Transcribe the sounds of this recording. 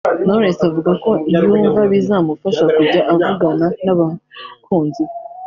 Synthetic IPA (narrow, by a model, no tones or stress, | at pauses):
noɾesavuɡako̞ibjuːɱvaβizaːmufaʃakuɟaʔavuɡananaβakuːnzi